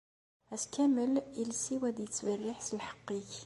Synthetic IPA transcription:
æskæməlilsiwæd̪jət͡sːvərːɪħsəlħə̥qːiç

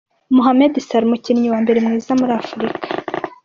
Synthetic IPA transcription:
muɦamedisaɾmucinɲiwaːmbe̞ɾemŋiːzamuɾiafuɾikʰḁ

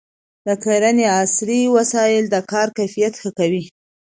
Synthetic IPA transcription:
d̪̥əkeɾaneasɾiwasɑjɪld̪əkɑɾkajfijat̪xəkawi

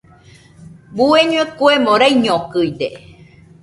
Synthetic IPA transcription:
bueɲũekuemõɾaiɲõkɨid̪e

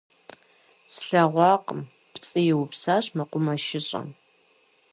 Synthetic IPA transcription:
sɬɐʁʷɑːqəm | pt͡sʼɨjɪwʊpsaːɕmɐqʷʊmɐʃɪɕʼɐ̰m

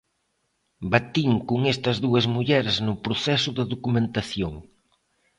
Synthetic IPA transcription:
bat̪iŋkuŋest̪ɐzðuɐzmuʎɛɾznʊpɾoθɛsʊðɪðokumẽnt̪aθjoŋ

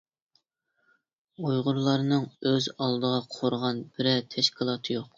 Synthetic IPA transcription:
ojʁʊɾlˠɑɾnɨŋøzɑlˠd̪əʁɑqʰoɾʁɑnbɪɾɛt̪ʰɛʃkʲʰilˠɑːt̪ʰɨjoq

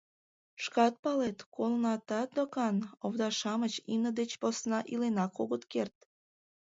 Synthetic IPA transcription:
ʃkɑt̪̚pɑlet̪kolnɑt̪ɑt̪̚d̪okɑnoβd̪ɑʃɑmət͡ɕimnəd̪et͡ɕposnɑʔilenɑkoɣət̪kert̪̚

